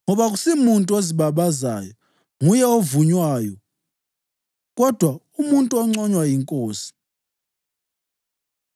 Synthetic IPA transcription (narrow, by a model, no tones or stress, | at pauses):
ŋɔβaɣusimuntʼuoziβaβaza̰ːjɔ | ŋujɛovuɲwaːjɔ | ɣɔd̥ʱwa | umuntʼuɔŋ͡ǀɔɲwajiŋkʼoːsi̥